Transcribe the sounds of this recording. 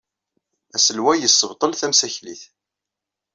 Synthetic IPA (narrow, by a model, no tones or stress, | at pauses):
æsəlwæjəsːəvt̪ˤəlθæmsæçlḭθ